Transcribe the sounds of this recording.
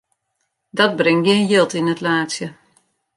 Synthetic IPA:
dɔt̚brɪŋɡɪːnjɪlˠtinətlaːsjə

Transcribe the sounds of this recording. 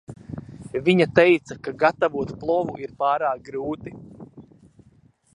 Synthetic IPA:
viɲat̪ɛjt̪sakaɡat̪avuɔt̪plˠɔvuʔiɾpaːɾaːk̚ɡɾuːt̪i

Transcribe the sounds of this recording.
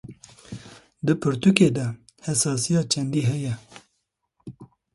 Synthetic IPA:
d̪ɨpʰɨɾt̪ukeːd̪ɛ | hɛsɑːsijɑːt͡ʃʰɛnd̪iːɦɛjɛ

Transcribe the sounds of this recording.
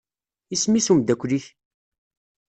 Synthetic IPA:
ismisumd̪ækʷːliç

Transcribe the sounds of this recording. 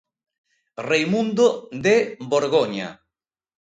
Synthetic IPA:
rejmund̪od̪eboɾɣoɲa̰

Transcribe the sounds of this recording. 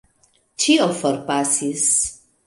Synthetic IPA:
t͡ʃiɔfɔɾpasis

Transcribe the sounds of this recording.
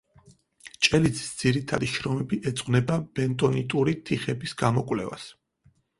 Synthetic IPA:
t͡ʃʼɛlid̪zi̥sd̪z̥iɾit̪ʰa̰d̪iʃɾɔmɛbiʔɛt̪sʼqʼnɛbab̥ɛnt̪ʼɔnit̪ʼuɾit̪ʰiχɛbisɡamɔkʼwlɛ̰va̰s

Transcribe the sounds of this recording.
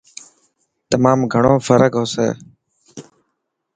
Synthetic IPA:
t̪əmaːmɡʱəɳõːfəɾəkɦoːsḛː

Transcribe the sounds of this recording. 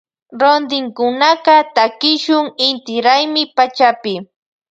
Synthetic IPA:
ɾond̪ɪŋkʊnaqɑt̪akɪʃʊŋɪnt̪ɪɾajmɪpat͡ʃapɪ

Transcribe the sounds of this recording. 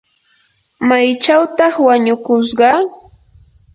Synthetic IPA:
majt͡ʃawt̪ɑχwaɲʊkʊs̬ɢɑ

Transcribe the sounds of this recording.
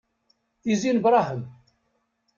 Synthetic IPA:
izinbɾˤɑɦəm

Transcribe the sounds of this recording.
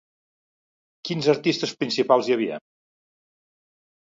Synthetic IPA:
kinzəɾt̪ist̪əspɾinsipalˠzjəβ̞iə̰

